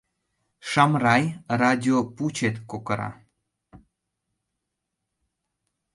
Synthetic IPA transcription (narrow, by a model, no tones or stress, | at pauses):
ʃɑmrɑjrad̪ʲioput͡ɕet̪kokɤɾɑ̰